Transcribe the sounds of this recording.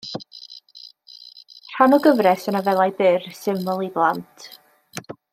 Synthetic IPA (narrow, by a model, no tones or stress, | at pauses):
r̥anɔɡəvrɛsənavɛlˠajbɪrsɪməlˠiblˠantʰ